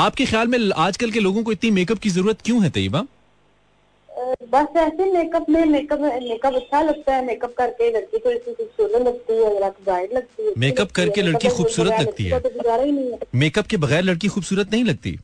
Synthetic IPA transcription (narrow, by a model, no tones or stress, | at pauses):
aːp̚kexjaːlmẽaːd͡ʒkɐlkeloːɡõkoɪt̪nimeːkəp̚kizɐɾuːɾət̪kjũɦɛt̪ɐ̰jːəbaː | bɐsɛːsemeːkəpnẽmeːkəpmeːkəpɐtːʃʰalɐɡ̚t̪aɦɛːmeːkəp̚kɐɾkelɐɽkik̪oɪt̪nĩxuːbsuːɾət̪lɐɡ̚t̪iɛɐɡəɾaːkɡaːɪɖlɐɡ̚t̪iɦɛmeːkəp̚kɐɾkelɐɽkixuːbsuːɾət̪lɐɡ̚t̪ḭɦɦɛːt̪obɪd͡ʒaːɾainɐ̃ɦĩɛmeːkəp̚kebɐɣɛːɾlɐɽkixuːbsuːɾət̪nɐɦĩlɐɡ̚t̪ḭː